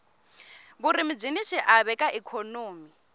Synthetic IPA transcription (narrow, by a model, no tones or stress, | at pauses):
buɾimib͡ʐinit͡ʃʰiʔaβɛkʼaʔɛkʰonoːmi